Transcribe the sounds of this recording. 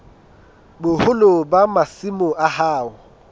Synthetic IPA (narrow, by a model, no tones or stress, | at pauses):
bʊhʊlobamasimʊʔahaːʊ